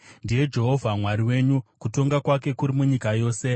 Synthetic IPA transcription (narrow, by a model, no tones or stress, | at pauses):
ndije̞d͡ʒe̞ɦo̞vʱamwaɾiwe̞ːɲukuto̞ŋɡakwake̞kuɾimuɲikajo̞ːse̞